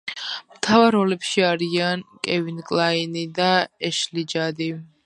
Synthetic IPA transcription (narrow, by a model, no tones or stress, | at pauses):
mt̪ʰavaɾɔlɛpʃiaɾiankʼɛvinkʼlˠainid̪aɛʃlid͡ʒad̪i